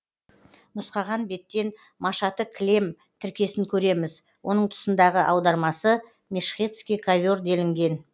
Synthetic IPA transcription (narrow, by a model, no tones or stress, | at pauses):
nʊsqɑʁɑnbe̞t̪ːe̞n | mɑʃɑt̪əkʲʰlʲe̞m | t̪ʰɪɾkʲe̞sɪŋkʲʰɵɾe̞mɪz | wʔo̞nəɴt̪ʰʊ̥sənd̪ɑʁəʔɑwd̪ɑɾmɑsə | mʲeʃχʲet̪skʲijkʰavʲo̞rd̪e̞lɪŋɡʲe̞n